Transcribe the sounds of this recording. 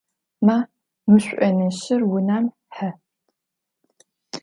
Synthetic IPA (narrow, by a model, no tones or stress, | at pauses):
maː | mɨɕʷʼɐnɐɕɪrwʊnaːm | ħɐ